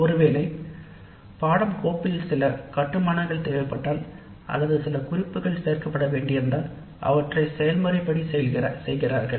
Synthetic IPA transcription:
ɔɾɯʋeːlɐɪ | paːɽɐmkoːpːɪjɪlsɪlɐkɐʈːɯmaːnɐŋɡɐɭt̪eːʋɐɪpːɐʈːaːl | ʔɐ̰lːɐðɯsɪlɐkʊrɪpːɯɣɐɭseːrkɐpːɐɽɐʋeːɳɖɪjɐnd̪ɐːl | ʔɐ̰ʋɐʈrɐɪsɛjɐlmɐrɪpːɐɽisɛlɣɪɐsɛjɣɪraːɾɣɐɭ

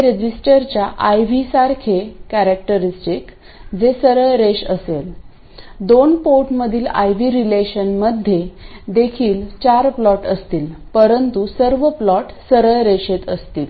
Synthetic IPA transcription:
ɾed͡ʑisʈəɾt͡ɕjaʔajʋisaɾkʰekæɾæk̚ʈəɾisʈik | d͡zesəɾəɭɾeɕəsel | d̪onpoɾʈməd̪ʱiːla̰jʋiɾileɕənməd̪ʱːjed̪ekʰiːlt͡ɕaɾplɔʈəst̪iːlpəɾənt̪usəɾʋəplɔʈsəɾəɭɾeɕet̪əst̪iːl

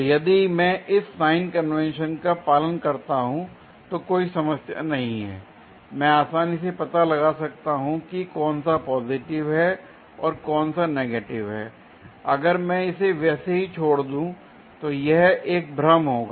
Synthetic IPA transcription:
jɐd̪imɛ̃ʔɪsːaːɪnkɐnʋɛ̃nʃənkapaːlənkɐɾt̪aɦũ | t̪okoːisɐməsja̰nɐɦĩɦɛ̰ː | mɛ̃aːsaːnisepɐt̪alɐɡasɐk̚t̪aɦũkikɔːnsapɔːzɪʈɪʋɦɛ | ɔːɾkɔːnsaneːɡeːʈɪʋɦɛː | ɐɡəɾmɛ̃ɪseʋɛːseɦit͡ʃʰoːɽd̪ũ | t̪ojɛɦeːk̚bɾəmɦoːɡaː

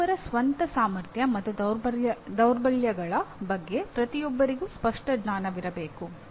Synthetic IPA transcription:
ɐɾɐsʋɐnt̪ɐsaːmɐɾt̪ʰjɐmɐt̪ːu | d̪ɐwɾbɐljɐɡɐɭɐbɐɡːe̞pɾɐt̪ijɔbːɐɾiɡuspɐʂʈɐɡnaːnɐʋiɾɐbe̞ːku

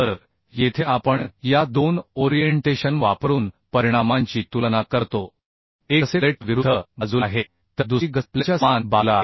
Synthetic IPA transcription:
t̪əɾ | jet̪ʰeapəɳjad̪onoɾijeɳʈeɕənʋapɾuːnpəɾiɽ̃amãɲt͡ɕiːt̪ulnakəɾt̪o | eseleʈʋiɾud̪ʱəəd͡zuaɦe | t̪əd̪uɡəlt͡ɕjaanbalaɦe

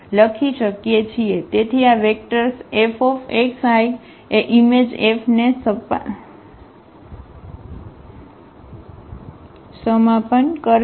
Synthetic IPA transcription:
ləkʰiʃəkjet͡ʃʰiet̪et̪ʰiaʋek̚ʈəɾsefʰɔfeksaj | eʔimed͡ʒefʰnesəp | səmapənkəɾ

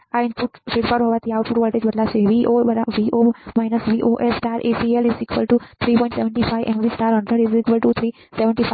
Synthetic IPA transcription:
ãɳpuʈseʈpaɾɦoʋat̪ʰiawʈ̚puʈʋɔːlʈeːd͡ʒbɐɾlaseʋiʔoɾaʋiʔoːmajnəsʋiːʔoʔesʈaːɾʔepielizikʋəlʈut̪ʰɾiːpɔ̃ĩɳʈseʋə̃ɳʈifʰajʔɛ̃mʋiːsʈaːɾə̃ɳɖɾə̃ɖizikʋəlʈut̪ʰɾiː | seʋə̃ɳʈif

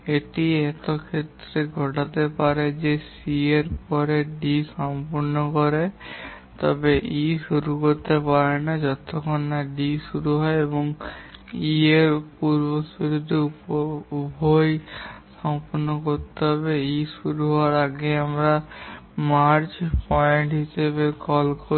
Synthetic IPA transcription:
eʈiet̪okʰet̪ːɾeɡʱɔʈat̪epaɾed͡ʒesieɾpɔɾeɖisɔmpɔɾnɔkɔɾe | t̪ɔbeʔiʃuɾukoɾt̪epaɾenad͡ʒɔt̪okʰonːaɖiʃuɾuɦɔeebɔŋ | ieɾpuɾbosiɾud̪ʱiupobʱojsɔmpoɾnokoɾt̪eɦɔbeiʃuɾuɦɔaɾaɡeamɾa | maɾt͡ɕpɔeɳʈɦiʃeβekɔlkʰo

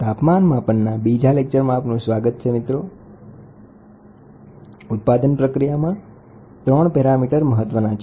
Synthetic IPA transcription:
t̪apmanmãpəɳnabid͡ʒalek̚t͡ʃəɾmãːpnũsʋaɡət̪̚t͡ʃʰemit̪ɾo | ʊt̪̚pad̪ənpɾəkɾijamã | t̪ɾəɳ̃pɛɾamiʈəɾməɦət̪ʋənãt͡ʃʰ

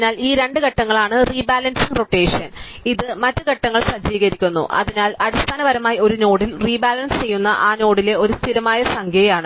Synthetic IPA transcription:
naːliːɾe̞ɳɖɨɡɐʈːɐŋːɐɭaːɳɨriːbaːlɐnsiŋro̞ʈːe̞ːʂɐn | iðɨmɐtːɨɡɐʈːɐŋːɐɭsɐd͡ʑiːɣɐɾikʲːunːṵʔɐ̰ðinaːlɐɽust̪ʰaːnɐʋɐɾɐmaːjo̞ɾuno̞ːɽilriːbaːlɐnst͡ɕe̞jːunːɐʔaːno̞ːɽile̞o̞ɾust̪ʰiɾɐmaːjɐsɐŋɡʰʱɐjjaːɳɨ

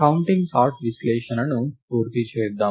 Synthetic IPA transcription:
ɐwuɳʈiŋɡsaːɾʈʋisleːʃɐnɐnupuːɾt̪it͡ʃeːɾd̪a

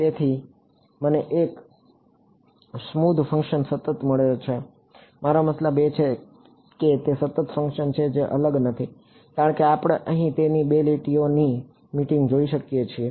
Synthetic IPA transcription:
t̪et̪ʰi | məneʔek | smud̪ʱfə̃ŋkʃənsət̪ət̪məɭeot͡ʃʰe | maɾaməslabet͡ʃʰe | ket̪esət̪ət̪fə̃ŋkʃənt͡ʃʰed͡ʒeʔələɡnət̪ʰi | kãɳ̃keapɽ̃eʔəɦĩt̪enibeliʈioni | miʈĩŋɡd͡ʒoiʃəkjet͡ʃʰie

